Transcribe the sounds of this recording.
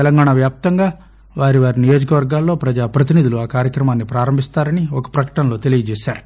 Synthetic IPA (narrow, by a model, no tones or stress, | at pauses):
ɛlɐŋɡaːɳɐʋjaːp̚t̪ɐŋɡaː | ʋaːɾiʋaːɾinijo̞ːd͡ʒɐkɐʋɐɾɡaːlːo̞ːpɾɐd͡ʒaːpɾɐt̪̬inid̪uluaːkaːɾjɐkɾɐmaːnːipɾaːɾɐmbʱist̪aːɾɐniɔkɐ̥pɾɐkɐ̥ʈɐnlo̞ːt̪e̞liɡɐt͡ʃeːʃaːɾu